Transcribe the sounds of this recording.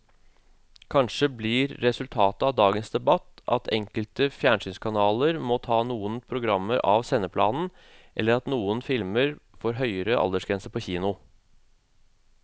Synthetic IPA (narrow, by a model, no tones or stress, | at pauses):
kʰɑnʂəblɪɾːɛsʉlt̪ʰɑːt̪əɑʋd̪ɑːɡənsd̪ɛbɑt̪ɑ̰t̪ʰɛŋkəlt̪əfjæːɳsyːnskʰɑnɑːləɾmɔt̪ʰɑːnuːənpʰɾʊɡɾɑmːəɾʔɑ̰ʋsɛnːəpʰlɑ̰ːnn̩ | ʔɛlːəɾɑt̪nuːənfɪlməɾfoːɾɦœʏəɾəʔɑ̰ld̪əʂɡɾɛnsəpʰɔçiːnʊ